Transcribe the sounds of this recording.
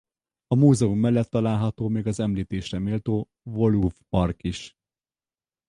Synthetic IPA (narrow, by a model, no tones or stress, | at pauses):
ɒmuːzɛumːɛlːɛt̪ːɒlaːlɦɒt̪oːmeːɡɒzɛmliːt̪eːʃrɛmeːlt̪oː | vo̞luvpɒrkiʃ